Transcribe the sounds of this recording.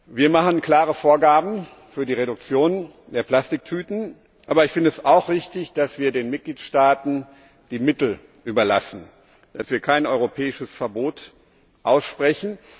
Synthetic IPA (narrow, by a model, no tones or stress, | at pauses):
viːɐmaχən̩kl̥aːʁəfoːɐɡaːbm̩ | fyːɐdiːʁeɾʊk̚t͡sjoːn | d̥eːɐpl̥astɪk̚tʰyːtn̩ | ʔaːbɐɪçfɪndəɛsaʊxv̥ɪçtɪçd̥asv̥iːɐdeːnmɪt̚ɡ̥liːtʃtaːtn̩ | d̥iːmɪtl̩ | ʔyːbɐlasn̩ | d̥asv̥iːɐkʰaɪnʔɔʏʁopʰɛːɪʃəsfɛɐboːt | ʔaʊsʃpʁ̥ɛçn̩